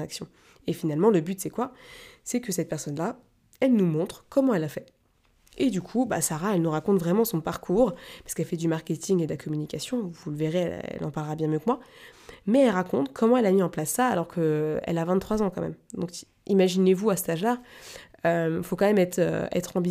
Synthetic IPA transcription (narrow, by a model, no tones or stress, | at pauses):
aksjɔ̃ | efinalmɑ̃ləbyt̪sɛkwasɛkəsɛt̪̚pɛʁsɔnla | ɛlnumɔ̃t̪χkɔmɑ̃ɛlafɛ | ed̪ykʰuba̰saʁaɛlnuʁakɔ̃t̪vʁɛmɑ̃sɔ̃paʁkʰuʁpḁskɛlfɛd̪ymaʁkʲet̪ʰiŋɡed̪əlakʰɔmynikʲasjɔ̃vulveʁeɛ̰ɛ̰lʔɑ̰̃paʁlʁabjɛ̃mjøkmwa | mɛɛlʁakɔ̃t̪kʰɔmɑ̃ɛlamiɑ̃plasːaːlɔʁkʰəɛ̰lavɛ̃t̪t̪ːχwazɑ̃kɑ̃mɛ̰md̪ɔ̃k | imaʒinevuasə̥t̪aʒla | øfokɑ̃mɛmɛt̪χø̰ɛ̰t̪χɑ̃bi